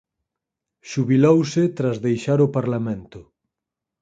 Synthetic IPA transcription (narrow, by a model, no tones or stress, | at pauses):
ʃuβilowsɪt̪ɾazðejʃaɾʊpaɾlamẽnt̪ʊ